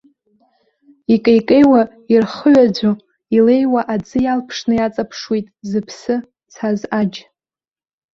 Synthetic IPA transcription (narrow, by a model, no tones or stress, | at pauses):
ikʼejkʼejwa | irχəɥad͡zʷo | ile̞jwaʔad͡zɨjalpʰʂnɨjat͡sʼapʰʂwijtʼzɨpʰsɨ | t͡sʰazad͡ʒ